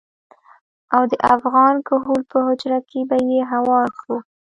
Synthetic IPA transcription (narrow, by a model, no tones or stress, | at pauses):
awd̪əʔafɣɑnkʊɦulpəhʊd͡ʒɾakebajeɦawɑɾʃu